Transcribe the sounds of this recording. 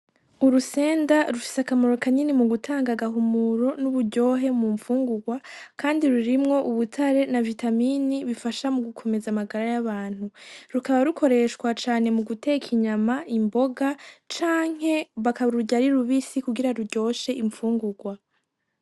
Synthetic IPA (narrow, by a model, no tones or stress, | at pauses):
uɾuse̞ːndaɾufi̥sakamoɾo̞kaɲinimuɡutʰaːŋɡaɡaɦumuɾo̞nuβuɟo̞ːɦe̞muɱfuːŋɡuɡwakaːndiɾuɾimŋo̞ʔuβutʰaɾe̞navitaminiβifaʃamuɡukʰo̞me̞zamaɡaɾajaβaːn̥huɾukaβaɾukʰo̞ɾe̞ʃkwat͡ʃaːne̞muɡute̞kʰiɲamaʔimbo̞ɡat͡ʃaːŋ̥he̞βakaβaɾuɟaɾiɾuβisikuɡiɾaɾuɾɟo̞ːʃe̞ʔiɱfuːŋɡuɡwa